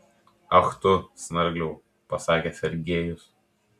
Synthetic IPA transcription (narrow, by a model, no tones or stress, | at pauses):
ɐxt̪ʊsnɐɾʲɡlʲɛː | pɐsɑːkʲeːsʲɛɾʲɡʲeːjʊs